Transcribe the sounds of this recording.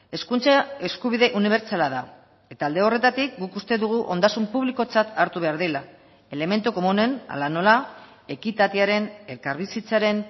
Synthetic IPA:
e̞skunt͡sae̞skuβiðe̞ʔuniβ̞e̞ɾt͡salaða | e̞t̪aːld̪e̞o̞re̞t̪at̪ik̚ɡukust̪e̞ðuɣ̞uʔo̞̰nd̪asumpuβ̞liko̞t͡sat̪aɾt̪uβe̞aɾðela | e̞le̞me̞nt̪uko̞mune̞na̰lano̞la | e̞kit̪at̪iaɾe̞ne̞kaɾβisit͡saɾe̞n

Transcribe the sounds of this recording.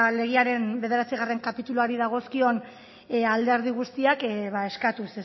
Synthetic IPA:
le̞ɣ̞iaɾe̞mbe̞ð̞e̞ɾat͡siɣ̞are̞ŋkapit̪uluaɾiðaɣ̞o̞skio̞n | ald̪e̞ɾð̞iɣ̞ust̪iakβae̞skat̪uses

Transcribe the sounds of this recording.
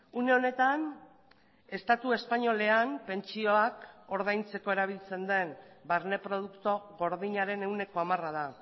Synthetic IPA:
une̞o̞ne̞t̪an | e̞st̪at̪ue̞spaɲo̞le̞anpe̞nt͡ʃio̞ako̞ɾðajnt͡se̞ko̞e̞ɾaβ̞ilt͡se̞nd̪e̞mbaɾne̞pɾo̞ð̞ukt̪o̞ɣo̞ɾðiɲaɾe̞ne̞wne̞ko̞amarað̞a

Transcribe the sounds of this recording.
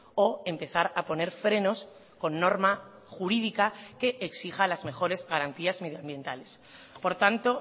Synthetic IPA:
o̞empe̞θaɾapo̞ne̞ɾfɾe̞no̞s | ko̞nːo̞ɾma | xuɾiðikake̞ʔeksixalazme̞xo̞ɾe̞zɣaɾant̪iazme̞ðjoambje̞nt̪ale̞s | po̞ɾt̪ant̪o̞

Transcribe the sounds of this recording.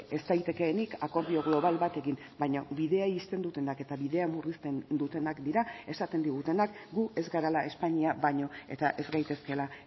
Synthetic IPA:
e̞st̪ajt̪e̞ke̞ːnikako̞ɾβio̞ɣlo̞βalβat̪e̞ɣin | bajɲoβiðe̞ajist̪e̞nd̪ut̪e̞nake̞t̪aβiðe̞amurist̪e̞nd̪ut̪e̞nakd̪iɾae̞sat̪e̞nd̪iɣ̞ut̪e̞nakɡue̞zɡaɾalae̞spaɲiaβaɲo̞e̞̰t̪aʔe̞zɡajt̪e̞ske̞la

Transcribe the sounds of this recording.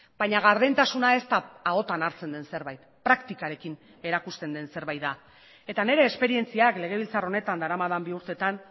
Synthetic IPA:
bajɲaɣaɾðent̪asunae̞st̪aːo̞t̪anaɾt͡se̞nd̪e̞nse̞ɾβajt̪pɾakt̪ikaɾe̞kin | e̞ɾakust̪e̞nd̪e̞nse̞ɾβajt̪a | e̞t̪ane̞ɾe̞ːspe̞ɾie̞nt͡siakle̞ɣ̞e̞β̞ilt͡saro̞ne̞t̪and̪aɾamaðambiuɾt̪e̞t̪an

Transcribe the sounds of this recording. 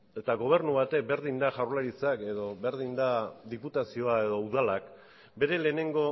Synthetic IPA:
e̞t̪aɣo̞β̞e̞ɾnuβat̪e̞k̚be̞ɾðind̪aʝawɾlaɾit͡sake̞ðo̞βe̞ɾð̞ind̪aðiput̪asio̞ae̞ðo̞uðalak | be̞ɾe̞le̞ːne̞ŋɡo̞

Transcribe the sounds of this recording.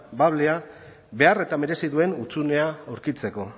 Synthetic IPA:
baβle̞a | be̞are̞t̪ame̞ɾe̞siðue̞nut͡sune̞aawɾkit͡se̞ko̞

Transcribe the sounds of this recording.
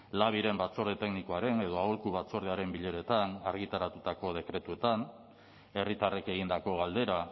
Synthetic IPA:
laβ̞iɾe̞mbat͡so̞ɾðet̪e̞knikoaɾe̞ne̞ð̞o̞aolkuβat͡so̞ɾð̞eaɾe̞mbiʎe̞ɾe̞t̪anaɾɣit̪aɾat̪ut̪ako̞ð̞e̞kɾe̞t̪ue̞t̪an | e̞rit̪areke̞ɣ̞ind̪ako̞ɣ̞ald̪e̞ɾa

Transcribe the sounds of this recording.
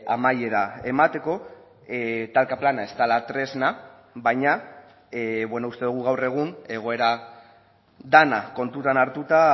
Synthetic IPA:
amaje̞ɾae̞mat̪e̞ko̞ | t̪alkaplanae̞st̪alat̪ɾe̞zna | βajɲa | βwenoust̪e̞ðuɣ̞uɣawre̞ɣ̞une̞ɣ̞o̞e̞ɾa | d̪anako̞nt̪ut̪anaɾt̪ut̪a

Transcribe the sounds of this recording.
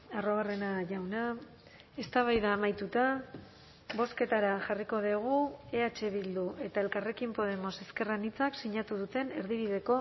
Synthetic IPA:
aroβare̞naʝawna | e̞st̪aβ̞ajðaːmajt̪ut̪a | βo̞ske̞t̪aɾaʝariko̞ðiɣ̞ue̞at͡ʃe̞βild̪ue̞t̪aelkare̞kimpo̞ð̞e̞mo̞se̞ske̞ranit͡saksiɲat̪uð̞ut̪e̞ne̞ɾðiβiðe̞ko̞

